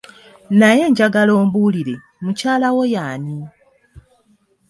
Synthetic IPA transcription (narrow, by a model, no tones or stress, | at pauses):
naje̞ːɲɟaɡalo̞ːmbuːliɾe̞ | mucaːlawo̞jaːni